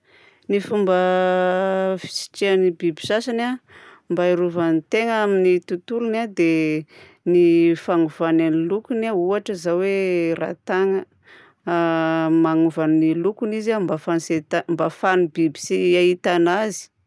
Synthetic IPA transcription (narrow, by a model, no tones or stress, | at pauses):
nifumbə | fi̥si̥ʈ͡ʂianibibi̥sasana | mbaiɾuvanit̪eŋaminit̪ut̪ulunad̪e | nifaŋuv̥ananilukunauaʈ͡ʂəzawera̰t̪aŋə | maŋuvanːilukunizambafaniset̪ambafanibibi̥siait̪anazi̥